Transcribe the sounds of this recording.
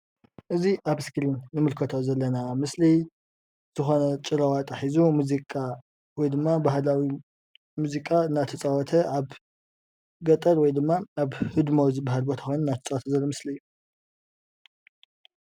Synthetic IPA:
ʔɨziʔaβskʰɨlinːɨmɨlkʰɐt̪ʰozɐlːɐnamɨsli | z̥ɨxo̞nɐt͡ʃʼɨɾɐwat̪ʼaħizumuzikʼa | wɔjd̪ɨmːabahlawi | muzikʼaɨnːat̪ʰɐt͡sʼawɔt̪ʰɐʔaβ | ɡɐt̪ʼɐɾwɔjd̪ɨmːaaβhɨd̪mozɨbaɦalbot̪ʰɐ̥xojnɨnːat̪ʰɐt͡sʼawɔt̪ʰɐzɐlːomɨslɨjːu

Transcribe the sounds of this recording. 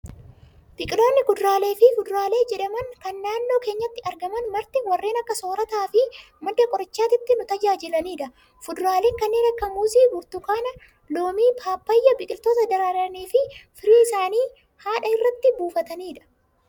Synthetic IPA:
bɪkʼɪlo̞ːnːɪɡʊd̪ɾaːle̞ːfɪfʊd̪ɾaːle̞ːd͡ʒɛᶑɐmɐŋkɐnːaːnːo̞ːke̞ːɲːɐt̪ːɪɐɾɡɐmɐnmɐɾt̪ɪwɐrːe̞ːnɐkːɐso̞ːɾɐt̪aːfɪ | mɐd̪ːɐkʼɔɾɐt͡ʃːaːt̪ɪt̪ːɪnʊt̪ɐd͡ʒaːd͡ʒɪlɐniːᶑɐ | fʊd̪ɾaːleːŋkɐnːɪɾɐkːɐmuːsiːbʊɾt̪ʊkaːnɐ | lo̞ːmiːpʰaːpːɐjːɐbɪkʼɪlt̪oːt̪ɐd̪ɐɾaːɾɐneːfɪfɪɾiːɪsaːniː | haːᶑɐɪrːɐt̪ːɪbuːfɐt̪ɐniːᶑɐ̥

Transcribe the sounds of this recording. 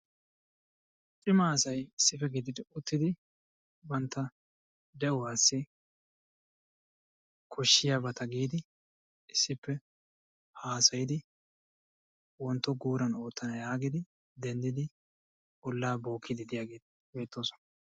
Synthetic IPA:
t͡ʃʼɪmaːsɐjɪsːɪfɛɡɪd̪ɪd̪ɪʊt̪ːɪd̪ɪ | bɐnt̪ːɐ | d̪ɛʔɔwaːsːɪ | kʰɔʃːɪjaːbɐt̪ɐɡiːd̪ɪ | ɪsːɪpːɛ | haːsɐjɪd̪ɪ | wɔnt̪ːɔɡuːɾɐno̞ːt̪ːɐnɐjaːɡɪd̪ɪ | d̪ɛnd̪ɪd̪ɪ | bɔlːaːbo̞ːkːɪd̪ɪd̪ɪjaːɡe̞ːt̪ | be̞ːt̪ːoːsɔ̥nɐ

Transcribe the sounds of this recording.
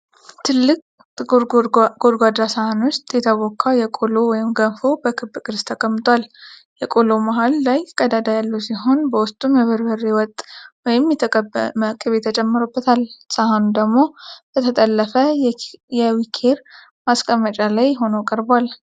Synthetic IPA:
t̪ʰɨlːɨkʼ | ɡod̪ɡʷad̪ɾasahanwʊst̪ʼjɛt̪ʰəβɔkʰːawjɛkʼolowɔjɪmɡənfo̞bəkʰɨbːkʼɨɾst̪ʰəkʼəmːɨt̪ʼwal | jɛkʼolomaɦalːajkʼəd̪ad̪ajalːusiɦo̞nbəwʊst̪ʼumjɛβɨɾbəɾewɔt̪ʼwɔjɪmjɛt̪ʰməkʼːɨβet̪ʰːət͡ʃʼɛmːəɾubːət̪ʰalsahanud̪əɡmo̞b̥ət̪ʰət̪ʼəlːəfəjɛwikʰe̞ɾ | maskʼəmːət͡ʃʼalajɦo̞nokʼəɾbwal

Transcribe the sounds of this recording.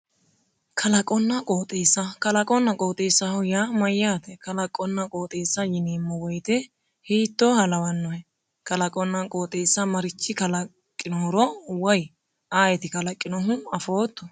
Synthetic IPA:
kʰɐlɐkʼɔnːɐkʼoːt̪ʼeːsːɐkɐlɐkʼɔnːɐkʼoːt̪ʼeːsɐhʊjamɐjːaːt̪ɛkɐlɐkʼɔnːɐkʼoːt̪ʼeːsːɐjɪneːmːɔwɔjt̪ɛ | hiːt̪ːoːhɐlɐwɐnːɔhɛ | kɐlɐkʼɔnːɐkʼoːt̪ʼeːsːɐmɐɾɪt͡ʃːɪkɐlɐ | kʼːɪnɔhʊɾɔwɐj | aːjɛt̪ɪkɐlɐkʼːɪnɔɦʊɐfo̞ːt̪ːɔ

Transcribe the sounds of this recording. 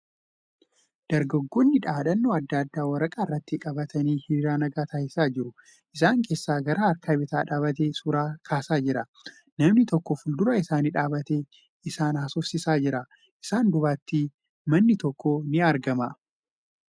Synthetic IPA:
d̪̥ɐɾɡɐɡːɔnːɪᶑaːᶑɐnːoːɐd̪ːɐːd̪ːaːwɐɾɐkʼaɪrːɐt̪ːɪkʼɐbɐt̪ɐniːhiɾaːnɐɡaːt̪ʰaːhɪsaːd͡ʒɪɾʊ | ʔɪsaːŋkʰe̞ːsːaːɡɐɾaːɐɾkʰaːbɪt̪aːᶑaːβɐt̪̬eːsuɾaːkʰaːsaːd͡ʒɪɾɐ | nɐmnɪt̪ɔkːɔfʊld̪ʊɾɐɪsaːnɪᶑaːbɐt̪eː | ɪsaːnhɐsɔfsɪsaːd͡ʒɪɾɐ | ʔɪsaːnd̪ʊbaːt̪ːi | mɐnːɪt̪ɔkːɔnɪɐɾɡɐmɐ

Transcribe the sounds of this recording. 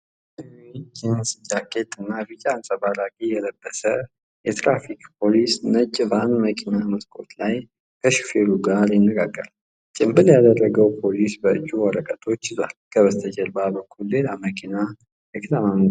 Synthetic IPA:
id͡ʒʰɛnsɨd͡ʒaket̪ʼɨnːabɨt͡ʃʼaansʼəbalakʼijɛləbːəsə | jɛt̪ʰɾafikʼpʰo̞lisnɨt͡ʃʼːvanməkʰinaməskʼo̞t̪laj | kʰəʃi̥feluɡaɾjɪnːəɡaɡːəɾ | t͡ʃʼɪmbɨljad̪ərːəɡəwpʰo̞lisbəɨt͡ʃʼːuwɔɾəkʼət̪ʰo̞t͡ʃːɪzwa̰lkʰəβəst̪ʰəd͡ʒəlbabəkʰːulːe̞laməkʰina | jɛkʰʼɨt̪ʰamamɡ

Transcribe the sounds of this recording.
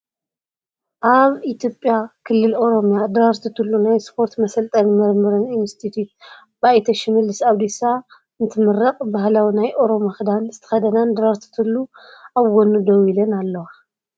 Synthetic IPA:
ʔaβit̪jo̞pʼjakʰɨlːɨlo̞ɾo̞mjad̪ɾaɾt̪ʰɨt̪ʰɨlːunajspʰo̞ɾt̪mɐsɐlt̪ʼɐnmɨɾmɨɾɨninst̪ʰit̪ʰut̪̚ | bajt̪ʰɐʃɪmɨlːɨsaβd̪isa | ɨnt̪ʰɨmɨɾɐkʼbahlawinajʔo̞ɾo̞maxɨd̪anzɨt̪ʰɐ̥xɐd̪ɐnand̪ɾaɾt̪ʰɨ̥t̪ʰɨlːuaβɡonud̪owilɐnalːɐwa

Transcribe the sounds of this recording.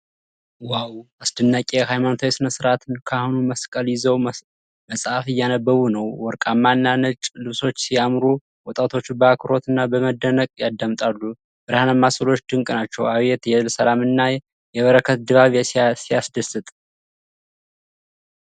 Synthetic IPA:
wawasd̪ɨnːakʲʼeɦajmanot̪ʰaesɨnəsɨɾat̪ʰɨnkʰahunuməskʼəljɪzəw | məsʼafɨjːanəbːəβunəwwɔɾkʼamːanːanət͡ʃʼlɨβso̞t͡ʃːsijamɾu | wɔt̪ʼat̪ʰo̞t͡ʃːbəakʰɨɾo̞t̪ʰɨnːabəməd̪ːənəkʼjad̪ːəmt̪ʼalːu | bɨɾhanamːasʼɨlo̞t͡ʃːd̪ɨŋkʼnat͡ʃːɛwaβjɛt̪jɛɨlsəlamɨnːa | jɛβəɾəkʰət̪̚d̪ɨβaβjɛsijasd̪əsɨt̪ʼ

